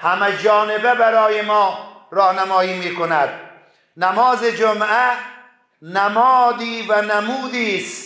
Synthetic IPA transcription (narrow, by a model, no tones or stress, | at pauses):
hamad͡ʒɒːnebabaɾɔːjemɔːɾɒːhnamɔːiːmiːkonad̪̚ | namɔːzed͡ʒoma | namɔːd̪iːvanamuːd̪iːs